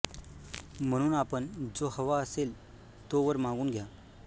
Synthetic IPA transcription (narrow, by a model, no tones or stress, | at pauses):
m̤əɽ̃uːnapəɳd͡zohəʋaəsel | t̪oʋəɾmãŋɡuːnɡʱja